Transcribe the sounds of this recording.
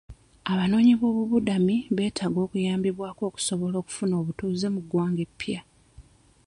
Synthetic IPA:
aβano̞ːɲiβo̞ːβuβudamiβe̞ːtʰaɡo̞ːkujaːmbiβwaːko̞ːku̥so̞βo̞lo̞ːku̥funo̞ːβutuːze̞muɡːwaːŋɡe̞pːja

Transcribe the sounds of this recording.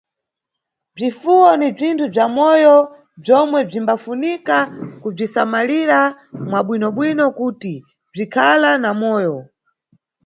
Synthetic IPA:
b͡ʐifuwɔnib͡ʐintʰub͡ʐamɔjɔ | b͡ʐɔmwɛb͡ʐimbafunikakub͡ʐisamaliɾa | mwaɓwinɔɓwinɔkuːti | b͡ʐikʰalanamɔːjɔ

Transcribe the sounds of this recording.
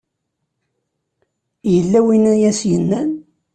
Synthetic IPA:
jəlːæwinæjæsjənːæn

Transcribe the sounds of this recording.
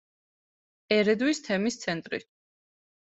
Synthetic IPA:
ɛɾɛd̪wist̪ʰɛmist̪sʰɛnt̪ʼɾḭ

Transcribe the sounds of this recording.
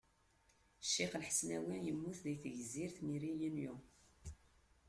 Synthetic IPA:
ʃːiqlħə̥snæwinjəmːuθðijθʝəzːiɾθmiɾijənju

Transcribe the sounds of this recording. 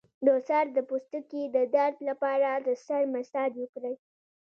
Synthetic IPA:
d̪əsaɾd̪əpost̪əked̪əd̪aɾd̪lapɑɾad̪əsaɾmast̪ɑd̪wʊkɾəj

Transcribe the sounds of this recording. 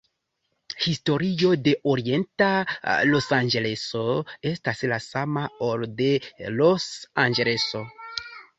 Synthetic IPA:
histo̞ɾio̞de̞ʔoɾie̞ntalosand͡ʒele̞so̞e̞staslasamaoɾde̞lo̞sand͡ʒele̞so̞

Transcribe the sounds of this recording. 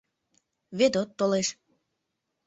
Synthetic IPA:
βed̪ot̪ːoleʃ

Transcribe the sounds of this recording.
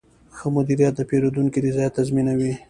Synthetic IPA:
xəmʊd̪iɾijat̪̚d̪əpeɾod̪uŋkid̪izɑjat̪azminawi

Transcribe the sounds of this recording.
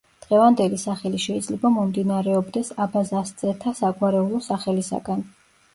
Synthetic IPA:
d̪̥ʁɛvand̪ɛlisaχɛliʃɛid̪zlɛbamɔmd̪inaɾɛɔbd̪ɛsabazast̪zʼɛt̪ʰasaɡwaɾɛulˠɔsaχɛlisa̰ɡan

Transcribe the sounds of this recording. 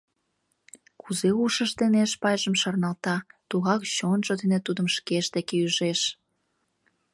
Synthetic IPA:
kuzeuʃəʃd̪eneʃpɑjʒəmʃɑrnɑlt̪ɑt̪uɣɑkt͡ɕonʒod̪enet̪ud̪ə̆mʃkeʃd̪ekeyʒeʃ

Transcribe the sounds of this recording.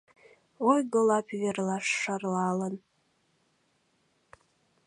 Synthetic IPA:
ojɡolˠɑpverlɑʃːɑrlɑːlən

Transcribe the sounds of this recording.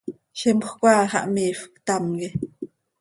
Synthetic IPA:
ʃimχʷkʷaːχa̰ʔmiːfkt̪amɡi

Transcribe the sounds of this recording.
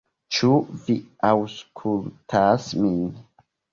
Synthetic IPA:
t͡ʃuviawskʰultʰasmin

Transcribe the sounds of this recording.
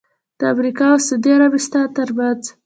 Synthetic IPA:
d̪̥əamɾikɑosad̪iaɾabist̪ɑt̪əɾbad͡z

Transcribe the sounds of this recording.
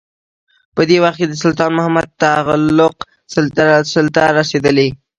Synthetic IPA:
pəd̪ewaxt̪̚ked̪əsʊlt̪ɑnmʊhamad̪̚t̪aɣlʊq | ssɪlt̪aɾased̪əle

